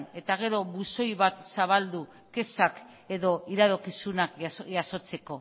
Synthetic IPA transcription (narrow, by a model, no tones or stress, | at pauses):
ne̞t̪aɣ̞e̞ɾo̞βuso̞jβat̪saβald̪u | ke̞sak | e̞ðo̞iɾaðokisunakʝaso̞t͡se̞ko̞